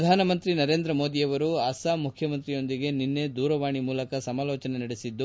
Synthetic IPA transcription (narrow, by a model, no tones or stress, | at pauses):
d̪ʱaːnɐmɐnt̪ɾinɐɾeːnd̪ɾɐmoːd̪ijɐʋɐɾuɐsaːmukʰjɐmɐnt̪ɾijo̞nd̪iɡe̞ninːe̞d̪uːɾɐʋaːɳimuːlɐkɐsɐmaːlɔːt͡ʃɐnenɐɽesid̪ːu